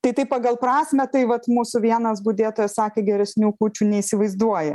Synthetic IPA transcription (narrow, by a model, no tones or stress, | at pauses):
t̪ɐɪt̪ɐɪpɑɡɐlˠpɾɑːsʲmʲɛt̪ɐɪʋɐt̪muːsʊʋʲiɛnɐsbuːd̪ʲeːt̪oːjɛssɑːkʲeːɡʲɛɾʲɛsʲnʲuːkuːt͡ʃʲuːnʲɛisʲɪʋɐɪzd̪uɔjɛ̰